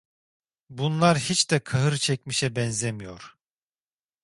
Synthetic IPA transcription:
bunlˠaɾhit͡ʃd̪ɛkʰaɦɯɾt͡ʃʰɛc̚miʃɛbɛnzemijo̞̰ɾ̥

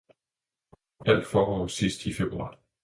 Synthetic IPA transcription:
æl̰d̥fɒːʁɒ̰ːsisd̥ifeb̥ʁuɑ̰̈ː

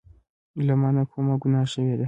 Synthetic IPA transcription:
lamanakʰomaɡʷunaʃɛjeda

